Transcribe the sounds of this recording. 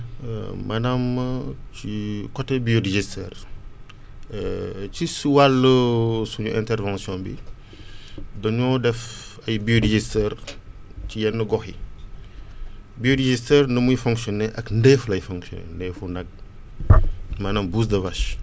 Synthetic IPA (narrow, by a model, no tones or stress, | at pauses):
mɐnamcikɔtːɛbijodiʒistɛ̰ːr | cisuwalːəsuɲuʔɛ̃ntɛrvɑ̃sjɔ̃bḭ | dɔɲɔːdɛfɐjbioɾiʒistɛːrcijɛnːəɡɔxḭ | bioɾiʒistɛrnɐmujfɔ̃ŋksjɔnɛʔɐkndɛflɐjfɔ̃ŋksjɔ̰nɛ̰ndɛːfunɐɡ̚ | mɐnɐmbuːs̬dɐvɐʃ